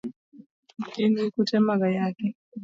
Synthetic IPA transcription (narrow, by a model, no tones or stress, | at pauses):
inikutɛmaɣajakɛ